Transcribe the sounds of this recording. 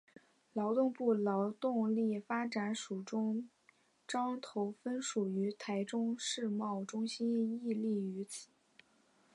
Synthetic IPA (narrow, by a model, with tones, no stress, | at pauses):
lɑ˧˥ʊt̪ʊ˥˧ŋpu˥˩lɑ˧˥ʊt̪ʊ˥˧ŋli˥˩fa˥ʈ͡ʂa˨˧˥nʂu˨˩ʈ͡ʂʊ˥ŋ | ʈ͡ʂɑ˥ŋt̪ʰo˧˥ʊfə˥nʂu˨˩y˧˥t̪ʰa˧˥ɪʈ͡ʂʊ˥ŋʂɻ̩˥˧mɑ˥˩ʊʈ͡ʂʊ˥ŋɕi˥ni˥˧li˥˩y˧˥t͡sʰɹ̩̥˨˩˦